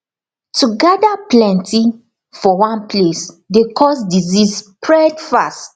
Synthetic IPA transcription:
tuɡadaplɛ̃nti | fɔwãnples | dekʰɔsdizispɹɛdfast

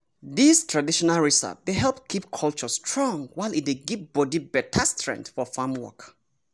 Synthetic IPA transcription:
ðistʰɹadiʃɔnalɹisə̰p̚deɦɛlˠpkʰip̚kʰɔlˠt͡ʃɔstʰɹɔ̃ŋwaɪlit̚deɡitbɔdibɛtʰastʰɹɛ̰̃ntfɔfamwɔ̰k

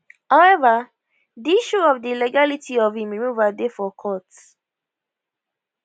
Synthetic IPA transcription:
haʊɛva | diiʃuɔvdiilɛɡalitʰiɔvĩminuvadefɔkʰɔt

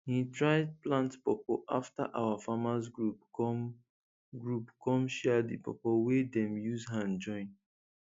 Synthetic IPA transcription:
hitɹaɪd̚plãntpɔpoʔafta̰ʔawafamasɡɹupɔ | ɡɹupkʰɔ̃mʃɛdipʰɔ̰powedɛ̃mjuzɦãnd͡ʒɔ̃ɪ̃n

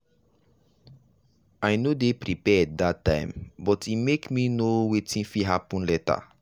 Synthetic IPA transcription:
ajnodepɹipɛddatːãɪ̃mbɔtimekminowetĩfiɦapɔ̃nlɛta̰

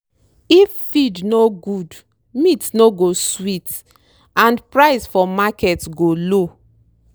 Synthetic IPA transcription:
ifːidnoɡud | mitnoɡoswit | ãnpɹaɪsfɔmakɛtɡolo

